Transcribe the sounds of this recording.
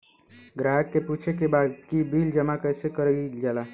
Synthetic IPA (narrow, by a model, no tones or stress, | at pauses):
ɡɾaːɦəkːepuːt͡ʃʰek̬ebaːd̪kibiːld͡ʒəmakɛːsekəɾid͡ʒaːlaː